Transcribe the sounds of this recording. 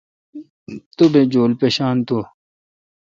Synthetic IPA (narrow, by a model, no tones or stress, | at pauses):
t̪obed͡ʑoːlpeːɕaːnt̪o